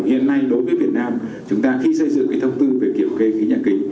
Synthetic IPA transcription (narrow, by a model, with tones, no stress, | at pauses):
hḭ˧˨ənːa˧jɗo˨˦jvəː˨˦vi˨˩ət̚naː˧mt͡ɕʊ˨˦ŋ͡mt̪aː˧xi˧sə˧jzɨ̰˧˨ŋkaː˨˦jt̪ʰə˧wŋ͡mt̪ɨ˧ve˨˩ki˧˩əmke˧jɣḭ˧˥ɲaː˧˩kï˨˦ŋ̟